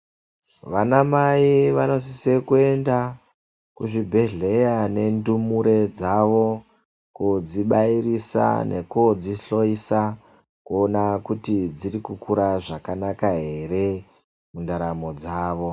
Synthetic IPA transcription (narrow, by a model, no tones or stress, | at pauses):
ʋanamaiʋano̞sise̞kue̞nda | kuʐibʱe̞ɮe̞jane̞ndumuɾe̞d͡zaʋo̞ | kud͡ziɓairisa̰nʔḛkod͡ziɬo̞isa | kuonakutid͡ziɾikukuɾaʐakanakaɦe̞re̞ | mundaɾamo̞d͡zaːʋo̞